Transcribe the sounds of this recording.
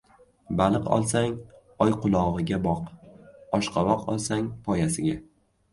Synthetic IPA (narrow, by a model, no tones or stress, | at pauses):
balˠɨqɒ̰lˠsaŋ | ɒjqʰʊlˠɒʁɨɡʲabɒqɒʃqʰɑvɒqɒ̰lˠsaŋpʰɒjasɪɡʲa